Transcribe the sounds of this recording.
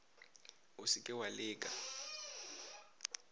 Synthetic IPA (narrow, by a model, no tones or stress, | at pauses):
usikʼɛwalɪːkʼa